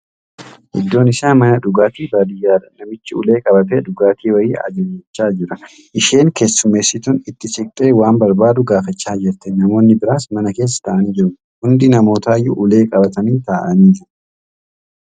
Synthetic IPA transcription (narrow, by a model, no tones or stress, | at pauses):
ʔɪ̰d̪ːo̞ːnɪsaːmɐnɐᶑʊɡaːt̪iːbaːd̪ɪjaːd̪ɐnɐmɪt͡ʃːɪʊ̰le̞ːkʼɐbɐt̪eːᶑʊɡaːt̪iːwɐjiːʔɐ̰d͡ʒɐjɐt͡ʃːaːd͡ʒɪɾɐ | ʔɪʃe̞ːŋke̞ːsːʊmːe̞ːsːɪt̪ʊnɪt̪ːɪsɪk̚t̪ʼeːwaːmbɐɾbaːd̪ʊɡaːfɐt͡ʃːaːd͡ʒɪɾt̪ɛnɐmo̞ːnːɪbɪɾaːsmɐnɐke̞ːs̬ːɐ̥t̪ɐʔɐniːd͡ʒɪɾʊ | hʊnd̪ɪnɐmo̞ːt̪aːjːʊʔʊle̞ːkʼɐbɐt̪ɐniːt̪aːʔɐniːd͡ʒɪɾ